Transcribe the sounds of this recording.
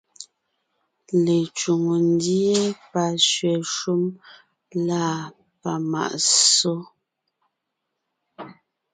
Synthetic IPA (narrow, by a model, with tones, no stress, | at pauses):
le˨t͡ʃu˨ŋo˨n˦di˦e˦pa˨ʃɥɛ˨ʃu˦m | laː˦˨ | pa˨ma̰˨ʔso˦